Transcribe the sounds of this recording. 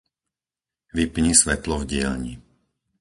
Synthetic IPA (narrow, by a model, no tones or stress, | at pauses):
ʋipɲisʋɛt̪lɔvɟɪɛlɲi